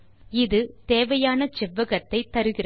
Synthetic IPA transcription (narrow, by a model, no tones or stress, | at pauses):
ɪðɯt̪eːʋɐjaːnɐt͡ʃɪʋɐɣɐt̪ːɐɪt̪ːɐɾɯɣɪrɐ